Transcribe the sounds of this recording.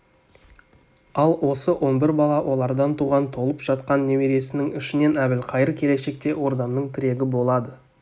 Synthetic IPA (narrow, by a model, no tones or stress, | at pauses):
ɑlˠwo̞səwʔo̞nbɪɾbɑlˠɑwʔo̞lˠɑɾd̪ɑnt̪ʰuʁɑnt̪ʰo̞lˠəpʒ̥ɑt̪̚qɑnːe̞meɾe̞sɪnɪŋʏʃɪne̞næbɪlqʰɑjəɾkʲʰe̞le̞ʃe̞k̚t̪e̞wo̞ɾd̪ɑmnəɴt̪ʰɪɾe̞ɡʲɪbo̞lˠɑd̪ə